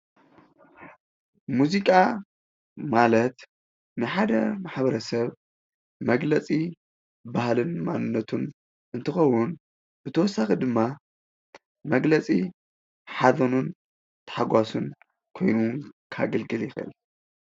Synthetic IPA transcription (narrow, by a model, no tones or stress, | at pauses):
muzikʼa | malɐt̪ | nɨħad̪ɐmaħbɐɾɐsɐβ | mɐɡlɐt͡sʼi | bahlɨnmanɨnːɐt̪ʰun | ʔɨnt̪ʰɨxɐwːun | b̥ɨt̪ʰɐwɔsːaxid̪ɨmːa | mɐɡlɐt͡sʼi | ħazɐnun | t̪ʰɐ̥ħaɡʷasun | kʰo̞jnukʰa̰ɡɐlɡɨljɪxɨ̰l